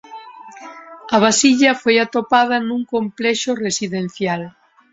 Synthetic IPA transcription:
ɐβ̞asiʎɐfojat̪opað̞ɐnũŋkomplɛʃoresiðen̟θjal

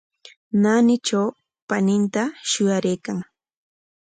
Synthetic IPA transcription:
nanɪt͡ʃaw | panɪnt̪aʃʊjaɾejkaŋ

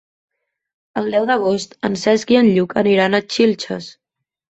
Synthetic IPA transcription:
əlˠd̪ɛwðəɣ̞ost̪ənsɛzɡiənʎukəniɾanət͡ʃilʲt͡ʃə̰s

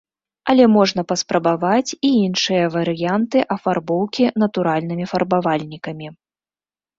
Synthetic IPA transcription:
ɐlʲɛmɔʐnɐpɐspɾɐbavat͡sʲiinʂɨjɐvɐɾɨjant̪ɨʔɐfarbɔwkʲinɐt̪uɾalʲnɨmʲifɐrbavalʲnʲikɐmʲi

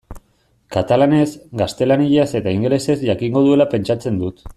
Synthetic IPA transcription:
kat̪alane̞zɡast̪e̞laniʎase̞t̪aiŋɡle̞se̞zʝakiŋɡo̞ðue̞lape̞nt͡ʃat͡se̞nd̪ut̪

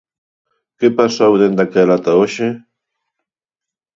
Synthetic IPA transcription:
kepasawnend̪akalat̪aoʃe

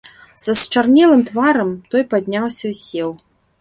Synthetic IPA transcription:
sɐst͡ʂarnʲɛlˠɨmt̪vaɾɐmt̪ɔjpad̪ʲnʲawsʲɐwsʲɛw

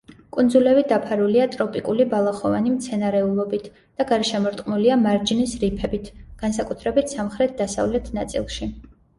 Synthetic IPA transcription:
kʼund̪zulɛvid̪apʰaɾuliat̪ʼɾɔpʼikʼulibalˠaχɔvanimt̪sʰɛnaɾɛulˠɔbit̪ʰ | d̪̥aɡaɾɛʃɛmɔɾt̪ʼqʼmuliamaɾd͡ʒinisɾipʰɛbit̪ʰɡ̥ansakʼut̪ʰɾɛbit̪ʰsamχɾɛt̪̚d̪asa̰vlɛt̪ʰnat̪sʼḭlˠʃi

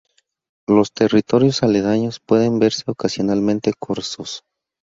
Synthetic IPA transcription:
lo̞st̪e̞rit̪o̞ɾjo̞saleðaɲo̞spwe̞ðe̞mbe̞ɾse̞okasjo̞nalmẽ̞nt̪e̞kʰoɾsos

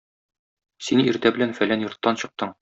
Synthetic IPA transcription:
siniɾt̪æbɘ̆lænfælænjŏɾt̪ːɑnɕɤ̆q̚t̪ɤɴ

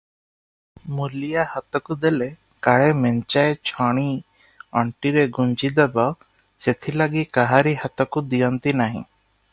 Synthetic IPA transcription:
mulijahat̪ɔkud̪ele | kaɭemeɲt͡ʃaet͡ʃʰɔɽ̃i | ɔɳʈiɾeɡuɲt͡ʃid̪ɛbɔ | set̪ʰilaɡikaɦaɾihat̪ɔkud̪ijɔnt̪inaɦḭ̃

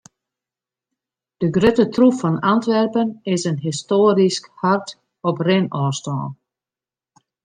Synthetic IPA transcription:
d̥əɡrøtətrufɔnantʋɛrpənɪsənɦɪstoːɾiskhart | ɔprɪnɔːstɔ̰ːn

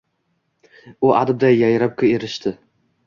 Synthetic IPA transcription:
ʊʔa̰d̪ɪb̚d̪ajːajɾap̚kʲʰʊeɾɪʃt̪ʰɪ

